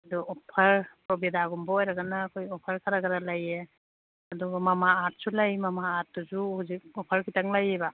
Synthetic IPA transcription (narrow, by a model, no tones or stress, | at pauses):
ɐdɔɔpʰɐɾpɾɔbedaɡumbɔɔjɾaɡanaːkʰojɔpʰaɾkʰaɾaɡaɾalaje | ɐdɔɡɔmamaːt̚sulajmamaːt̚ːuzuhuzik̚ɔpʰaɾkʰitaŋlajeba